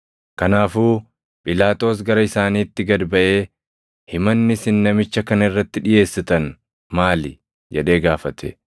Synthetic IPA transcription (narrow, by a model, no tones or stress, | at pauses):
kɐnaːfuː | pʼɪlaːt̪o̞ːs̬ɡɐɾɐɪsaːniːt̪ːɪɡɐd̪bɐʔe̞ː | hɪmɐnːɪsɪnːɐmɪt͡ʃːɐkɐnɐɪrːɐt̪ːɪᶑɪje̞ːsːɪt̪ɐn | maːlɪ | d͡ʒɛᶑe̞ːɡaːfɐt̪ʰɛ̰